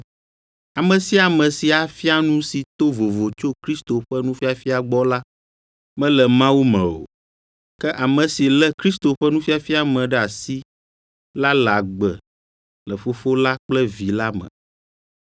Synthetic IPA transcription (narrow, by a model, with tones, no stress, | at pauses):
a˨mə̃˨si˦a˨mɛ̃˨si˨a˨fi˦a˨nũ˦si˨t̪o˦vo˨vo˨t͡ʃo˦kɾi˦st̪o˨ɸɛ˦nũ˦fi˦a˨fi˦a˨ɡ͡bɔ˦la˦ | mɛ̃˦lɛ˨mã˦wu˦mɛ̃˨o̰˨ | kɛ˦ʔa˨mə̃˨si˨lɛ˦kɾi˦st̪o˨ɸɛ˦nũ˦fi˦a˨fi˦a˨mɛ̃˨ɖɛ˦˨a˨si˦ | la˦la˨ɡ͡bɛ˨ | lə˨fo˦fo˦la˦k͡plɛ˦vi˨la˦mɛ̰̃˨